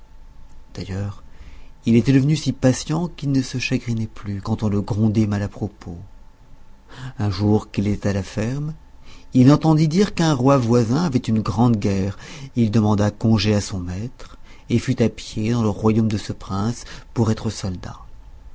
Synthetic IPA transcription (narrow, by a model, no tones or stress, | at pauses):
d̪̥ajœːʁilet̪ɛd̪əvənysipasjɑ̃kilnəsəʃaɡʁinɛplykɑ̃t̪ɔ̃ləɡʁɔ̃d̪ɛmalapχɔpo | ɛ̃ʒuʁkilet̪ɛt̪alafɛʁmilɑ̃t̪ɑ̃d̪id̪iʁkɛ̃ʁwavwazɛ̃avɛt̪ynɡʁɑ̃d̪ɡʲɛːʁild̪əmɑ̃d̪akɔ̃ʒeasɔ̃mɛt̪χ | efyt̪apjed̪ɑ̃ləʁwajomd̪əsəpχɛ̃spuʁɛt̪χəsɔld̪a̰